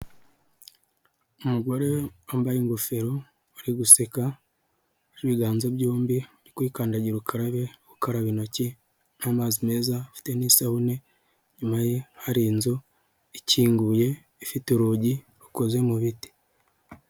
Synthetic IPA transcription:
umuɡo̞ɾe̞ambajeŋɡofe̞ɾo | aɾiɡuse̞ka | ɾiβiɡaːnzo̞bɟuːmbiɾikuikaːndaɟiɾukʰaɾaβeɡukaɾaβino̞ce | namaːzime̞ːzafi̥te̞nisahune̞ | ɲumajehaɾinzu | iciːŋɡuje̞ | ifituɾuɟi | ɾuko̞zwe̞muβiti̥

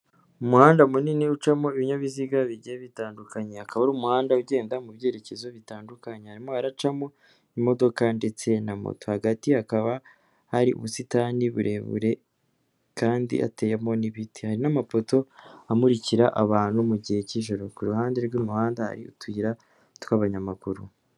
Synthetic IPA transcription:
umuhaːndaumuniniut͡ʃamo̞iβiɲaβiziɡaβiɟeβitaːndukaɲe̞hakaβaɾumuhaːndauɟe̞ːndamuβje̞ːɾe̞ce̞zo̞βitaːndukaɲehaɾimo̞aɾat͡ʃamo̞ | imo̞do̞kande̞t͡se̞namo̰to̞haɡatihakaβa | haɾiʔṵβusitaniβṵɾʔe̞βṵɾe̞ | kaːndḭʔa̰te̞jemo̞niβitihaɾinamafo̞to̞amuɾiciɾaʔaβaːn̥humuɟihe̞ciːʒo̞ɾo̞kuɾuhaːnde̞ɾɡumuhaːndaha̰ɾiṵtwiːɾa | twaːβaɲamakuɾu

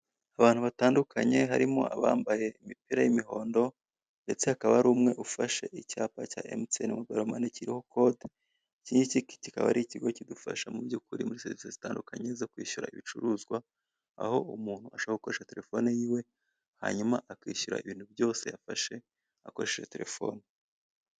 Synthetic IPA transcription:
aβaːnhuβataːndukʰaɲe̞ɦaɾimo̞̰a̰βaːmbaje̞imipiɾajimiho̞ːndo̞ | nde̞t͡se̞hakaβaɾuːmŋe̞ʔufaʃe̞̰ʔicaːpacaːʔemtenamuɡaɾomaneciɾiho̞ko̞d | ciːɲiciki̥cikaβaɾiciɡo̞cidufa̰ʃamubjukuɾimuɾiseɾvi̥sezitaːndukaɲe̞zo̞kwiːʃuɾa̰ḭβit͡ʃuɾuːzɡwa | a̰ho̞umuːn̥huaʃaβaɡuko̞ɾeʃate̞ɾe̞fo̞nejiːwe̞ | ha̰ɲumaʔakwiːʃuɾa̰iβiːn̥hubjo̞ːse̞jafaʃe̞ | ako̞ɾeʃeʃete̞ɾe̞fo̞̰ːni

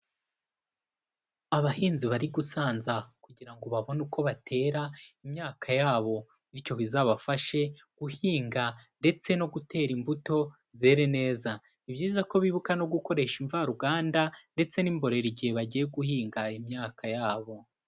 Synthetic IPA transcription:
aβahiːnziβaɾiɡusaːnzakuɟiɾaŋɡo̞βaβo̞nukʰo̞βatʰe̞ːɾaimɲaːkʰajaːβo̞ | nico̞βizaβafaʃe̞ | ɡ̥uhiːŋɡande̞t͡se̞no̞ɡute̞ːɾimbuto̞ | ze̞ːɾene̞ːza | ibɟiːzako̞βiβukano̞ɡuko̞ɾe̞ʃiɱvaɾuɡaːndande̞t͡se̞niːmbo̞ɾe̞ɾiɟihe̞βaɟije̞ɡuhiːŋɡaimɲaːkʰajaːβo̞

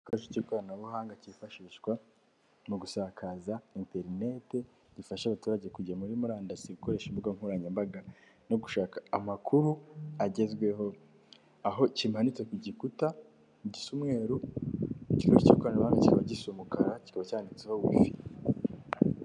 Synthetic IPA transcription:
kaʃicikoɾanaβuɦaːŋɡacifaʃiʃɡwa | muɡusaːkʰazainte̞ɾine̞te̞ | ɟifaʃaβatuːɾaɟe̞kuɟamuɾimuɾaːndasiɡuko̞ɾe̞ːʃimbuɡamhuɾaɲembaɡa | noɡuʃaːkaːmakʰuɾuaɟe̞zɡwe̞ɦo̞ | aɦo̞cimhanit͡sekuɟikuta | ɟisumŋe̞ːɾu | ci̥kaβaicikoɾanaβuhaːŋɡaci̥kaβaɟisumukaɾaci̥kaβacaːndit͡seho̞wḭfḭ

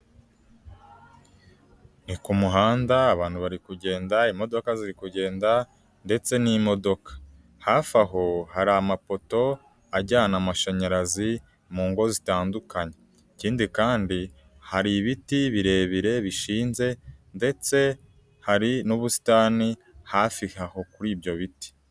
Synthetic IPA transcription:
nikumuɦaːndaːβaːn̥huβaɾikuɟe̞ːndaimo̞do̞kaziɾikuɟe̞ːnda | nde̞t͡se̞nimo̞do̞kḁ | hafaɦo̞haɾamapo̞to̞ | aɟaːnamaʃaɲaɾazi | muːŋɡo̞zitaːndukaɲe | iciːndikaːndi | haɾiβitiβiɾe̞ːβiɾe̞βiʃiːnze̞nde̞t͡se̞ | haɾinuβusi̥taːni | hafihaho̞kuɾiːbɟo̞βiti̥

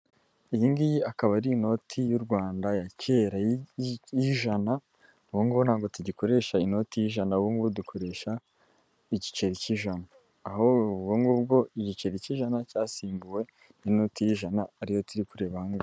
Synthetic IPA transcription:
ijiŋɡijiakaβaɾino̞tʰijuɾɡwaːndajace̞ːɾajjiʒana | βuŋɡonhaːɡo̞tuɟiko̞ɾe̞ʃaino̞tijiʒanaβuŋɡβudukʰo̞ɾe̞ʃa | iɟit͡ʃe̞ɾiciʒanaː | hobɡoŋɡuːb̚ɡo̞iɟit͡ʃe̞ɾiciʒanacaːsiːmbuwe̞ | nino̞tijiʒanaːɾijo̞tiɾikuɾe̞βahaŋɡa

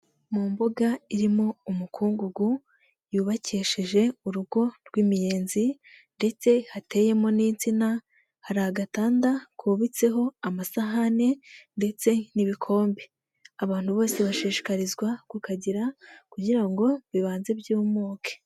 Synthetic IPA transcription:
mumbuɡaiɾimo̞umukʰuːŋɡuɡu | juːβaceːʃiʒe̞uɾuɡo̞ɾɡwiːmije̞ːnzi | nde̞t͡se̞hate̞je̞mo̞niːnt͡sina | haɾaɡataːndakʰuβit͡se̞ɦo̞amasaɦane̞nde̞t͡se̞niβikʰo̞ːmbe | aβaːn̥huβo̞ːse̞βaʃiːʃi̥kaɾizɡwakukaɟiɾakuɟiɾaŋɡo̞βiβaːnze̞bjuːmoːke̥

